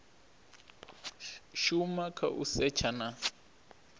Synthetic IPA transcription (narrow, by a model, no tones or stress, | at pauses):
ʃumakʰa̰ʔṵsɛt͡ʃʰana